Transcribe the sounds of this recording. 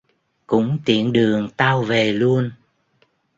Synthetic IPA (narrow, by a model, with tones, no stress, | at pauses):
kʊ̰˧˥ŋ͡mt̪ḭ˧˨ənɗɨ˨˩əŋt̪aː˧wve˨˩lu˧ən